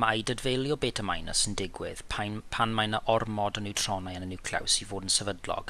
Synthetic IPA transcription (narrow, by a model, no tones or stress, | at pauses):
majdədvejlˠjɔbeːtʰəmajnəsəndɪɡwɪ̰ð̥pʰapʰanmajnəʔɔrmɔdənɪwtʰr̥ɔnajənənɪkʰla̰wsivoːdənsɛvədlˠɔ̰ɡ̥